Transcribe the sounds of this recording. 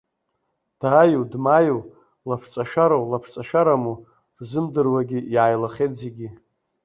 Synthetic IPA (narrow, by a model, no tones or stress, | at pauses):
d̥ajodmajow | lapʰt͡sʼaʃᶣaɾowlapʰt͡sʼaʃaɾamu̥ | zɨmdɨrwaɡʲiiʕajlaχʲejtʰʼzeɡʲi